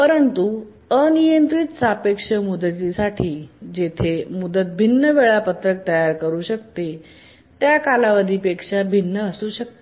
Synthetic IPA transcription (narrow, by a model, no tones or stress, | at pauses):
pəɾənt̪u | ənijənt̪ɾit̪t͡sapekʂəmud̪ət̪isaʈʰiːd͡ʑet̪ʰemud̪ət̪̚bʱinːəʋeɭapət̪ɾək̚t̪əjaɾkəɾuːɕək̚t̪e | t̪jakalaʋad̪ʱiːpekʂabʱinːəːsuːɕək̚t̪e